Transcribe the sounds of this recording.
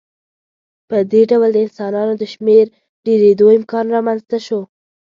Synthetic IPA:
pəd̪eɖawəld̪əɪnsɑnɑnod̪əʃmeɾ | ɖeɾed̪oɪmkɑnɾɑmanzt̪aʃo

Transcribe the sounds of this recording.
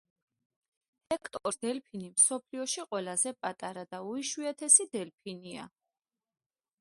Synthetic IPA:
hɛkʰt̪ʼɔɾd̪̥ɛlpʰinimsɔpʰliɔʃiqʼwɛlazɛpʼat̪ʼaɾad̪auiʃuɛt̪ʰɛsid̪ɛlpʰinia̰

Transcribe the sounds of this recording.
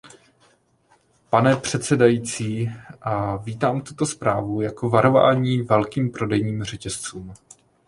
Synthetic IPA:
panɛpr̝̥ɛt̪sɛdajiːt͡siːʔaviːt̪aːmt̪ut̪o̞spɾaːvujako̞vaɾo̞va̰ːɲiːvɛlkiːmpɾo̞dɛjɲiːmr̝ɛcɛst͡suːm

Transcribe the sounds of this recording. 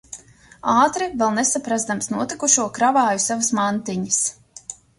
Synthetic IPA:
aːt̪ɾivɛlˠnesapɾazd̪amsnuɔt̪ikuʃuɔkɾavaːjusavasmant̪iɲis

